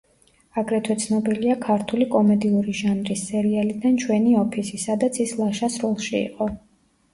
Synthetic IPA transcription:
aɡɾɛt̪ʰwɛt̪sʰnɔbiliakʰaɾt̪ʰulikʼɔmɛd̪iuɾiʒanɾisːɛɾialid̪ant͡ʃʰwɛniɔpʰisisad̪at̪sʰislˠaʃasɾɔlˠʃiḭqʼɔ

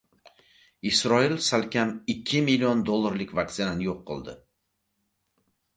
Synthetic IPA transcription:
isɾɒɪlsalkʲʰamɪkʲʰːɪmilʲːiond̪olˠːaɾlɪkʲvak̚t̪ɪnanɪjoqːɨ̰lˠd̪ɪ̰

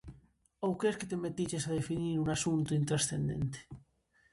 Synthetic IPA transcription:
owkesket̪emet̪iʝesaðefiniɾunasunt̪uint̪ɾasθend̪ḛnt̪e̥

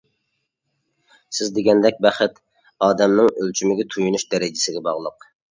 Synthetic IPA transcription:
sɪzd̪eɡʲɛnd̪ɛk̚ʲbɛχɪt̪ | ɑːd̪ɛmnɪŋølt͡ʃʰymɪɡʲɛt̪ʰujunuʃd̪ɛɾɪd͡ʒɪsɪɡʲɛbɑʁlˠəq

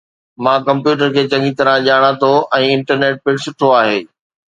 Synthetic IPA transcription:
mãːkɐ̃mpjuːʈ̬əɾkʰeːt͡ɕɐ̃ŋɡit̪ɐɾə̃ʄaːɽ̃ãt̪ʰoɛ̃ːɪ̃ɳʈəɾneːʈ̚pɪɽsʊʈʰoaːɦeː

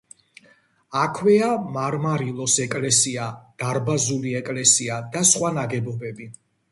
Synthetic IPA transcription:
akʰwɛamaɾmaɾilˠɔsɛkʼlɛsiad̪̥aɾbazuliɛkʼlɛsiad̪asχwanaɡɛbɔbɛbi

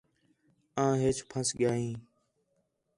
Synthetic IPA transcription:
ãːɦeːt͡ʃpʰəsɠɪjaːɦĩː

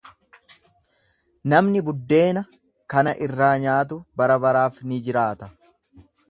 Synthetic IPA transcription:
nɐmnɪbʊd̪ːe̞ːnɐ | kɐnɐʔɪrːaːɲaːt̪̬ʊbɐɾɐbɐɾaːfnɪd͡ʒɪɾaːt̪ɐ

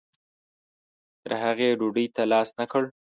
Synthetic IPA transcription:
t̪əɾhaɣeɖuɖəjt̪alɑsnakəɽ

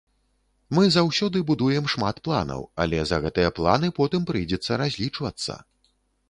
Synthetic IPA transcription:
mɨzawsʲɔd̪ɨbud̪ujɛmʂmat̪plˠa̰nɐ̰wɐ̰lʲɛzɐɣɛt̪ɨjɐplˠa̰nɨpɔt̪ɨmpɾɨjd͡zʲɛt̪sːɐɾazʲlʲit͡ʂvɐt̪sːɐ̰

